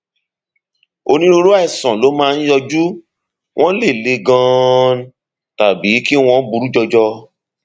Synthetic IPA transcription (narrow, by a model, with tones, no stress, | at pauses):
o˧nĩ˦ɾo˧ɾo˦a˦ɛ˦˨sã˨lo˨˦mãː˦˧ñ̩˦jɔ˧d͡ʒu˦ | w̃ʔɔ̃˦le˦˨le˨˧ɡã˧˦ | ta˨bi˨˦ki˦w̃ɔ̃˧˦bu˧ɾu˦d͡ʒɔ˧d͡ʒɔ˧